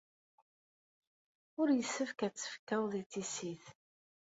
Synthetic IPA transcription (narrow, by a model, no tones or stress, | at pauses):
ʊɾjəsːəfkæt͡sːə̥fkːæwðit͡sːisiθ